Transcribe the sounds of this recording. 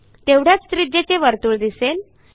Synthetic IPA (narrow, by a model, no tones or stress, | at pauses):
t̪eʋɽ̤jat͡sst̪ɾid͡ʑet͡ɕeʋəɾt̪uːɭd̪isel